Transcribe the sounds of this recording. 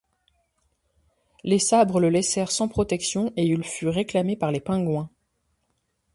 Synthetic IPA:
lesabʁələlɛsɛʁsɑ̃pχɔt̪ɛksjɔ̃eilfyʁeklamepaʁlepɛ̃ɡwɛ̃

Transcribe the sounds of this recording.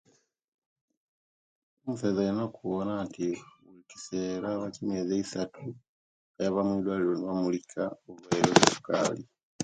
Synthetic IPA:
omufezainakuβonatiulici̥selaβacimezeisatʰu | ejaβamwiːdwaliloniβamulikʰaoβueleβusu̥ka̰ːli

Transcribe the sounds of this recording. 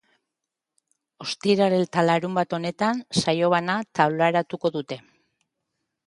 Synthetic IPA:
o̞st̪iɾaɾe̞lt̪alaɾumbat̪o̞ne̞t̪ansajo̞β̞anat̪awlaeɾat̪uko̞ðut̪e̞

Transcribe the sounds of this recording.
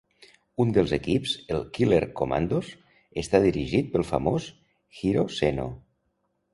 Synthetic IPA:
und̪elzekipzelˠkileɾkoma̰nd̪os | est̪aðiɾiʒit̪̚pelˠfa̰mos | xiɾoseno̰

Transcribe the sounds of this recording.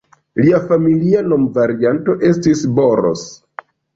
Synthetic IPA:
liafamiliano̞mvaɾianto̞ʔe̞stisbo̞ɾo̰s

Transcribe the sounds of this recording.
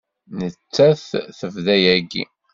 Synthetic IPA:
nət͡sːæθθəvðæjæɡḭ

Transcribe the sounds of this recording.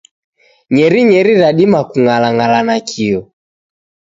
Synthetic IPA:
ɲɛɾiɲɛɾiɾaɗimakuŋalaŋalanakʰiɔ

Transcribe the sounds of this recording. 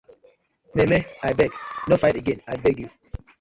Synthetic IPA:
mɛmɛajbɛɡnofajteɡɛ̃najbɛɡju

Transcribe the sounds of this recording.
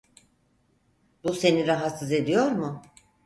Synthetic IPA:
buse̞niɾaɦat̪sɯze̞d̪ijo̞ɾmʊ

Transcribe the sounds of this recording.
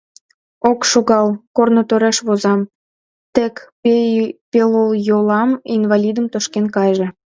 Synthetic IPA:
okʃoɣɑlkornot̪øɾeʃβozɑm | t̪ek | peloljolɑminvɑlʲid̪əmt̪oʃkenkɑjʒe

